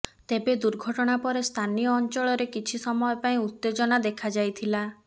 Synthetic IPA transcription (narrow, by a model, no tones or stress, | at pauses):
t̪ebed̪uɾɡʱɔʈɔɽ̃apɔɾest̪ʰanijɔːnt͡ʃɔɭɔɾekit͡ʃʰisɔmɔjɔpaĩut̪ːed͡ʒɔnad̪ekʰad͡ʒajt̪ʰila